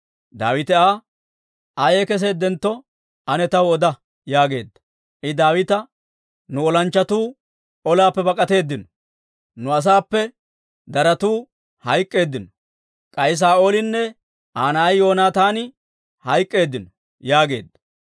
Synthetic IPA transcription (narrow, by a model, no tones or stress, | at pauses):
d̪a̰ːwɪt̪ɛaː | ʔajeːkɛs̬eːd̪ɛnt̪ːɔ | ɐnɛt̪ɐwɔd̪ɐ | jaːɡe̞̰ːd̪ːɐ̥ | ʔɪd̪aːwɪt̪ɐ | nʊɔlɐnt͡ʃːɐt̪uː | ɔlaːpːɛbɐkʼɐt̪e̞ːd̪ːɪnɔ | nʊɐs̬aːpːɛ | d̪ɐɾɐt̪uː | hɐjkʼːe̞ːd̪ːɪnɔ | kʼɐjs̬aːʔoːlɪnːɛ | ʔaːnɐɐjjo̞ːnaːt̪aːnɪ | hɐjkʼːe̞ːd̪ːɪnɔ | jaːɡe̞ːd̪ːɐ̥